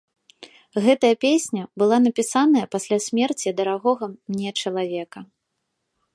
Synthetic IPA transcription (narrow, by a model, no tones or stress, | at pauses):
ɣɛt̪ɐjɐpʲesʲnʲɐbɨlˠanɐpʲisan̪ɐjɐpasʲlʲasʲmʲɛrt͡sʲiɐd̪ɐɾaɣɔɣɐmnʲɛt͡ʂɐlˠavʲɛkɐ